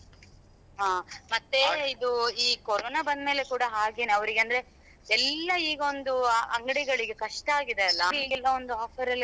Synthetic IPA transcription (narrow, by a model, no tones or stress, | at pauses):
ɦaːmɐt̪ːe̞id̪uiːkɔɾoːnaːbɐnd̪me̞ːle̞kuːɽɐɦaːɡeːnɐʋɐɾiɡeɐnd̪ɐɾe̞ | ɛlːɐiːɡɐond̪uɐŋɡɐɽiɡɐɭiɡe̞kɐʂʈɐaːɡid̪eɐlːɐiːɡɛlːɐond̪uaːpʰɐɾɐlːi